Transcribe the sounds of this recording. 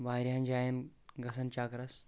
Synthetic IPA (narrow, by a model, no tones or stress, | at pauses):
ʋaːiɾɦand͡ʒaːjɐnɡɐsɐnt͡ʃaːkɾɐs